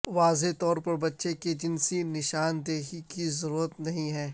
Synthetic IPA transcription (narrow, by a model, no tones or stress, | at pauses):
ʋaːzet̪ɔːɾpɐɾbɐtːʃeked͡ʒɪnsinɪʃaːnd̪eːɦikizɐɾuːɾət̪nɐɦĩɦɛ̃ː